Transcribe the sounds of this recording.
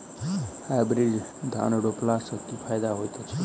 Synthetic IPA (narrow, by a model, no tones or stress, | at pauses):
hajbɾid͡ʒd̪ʱa̰noɽoplasəkt̪ipʰajd̪aɦojt̪ot͡ʃʰe